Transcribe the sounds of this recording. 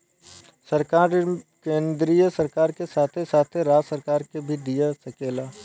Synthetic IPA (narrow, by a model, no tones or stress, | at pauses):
səɾkaːɾkẽːnd̪ɾijəsɐɾkaːɾkesaːt̪ʰesaːt̪ʰeɾaːd͡ʒsəɾkaːɾkebʱid̪ijasɐkeːlaː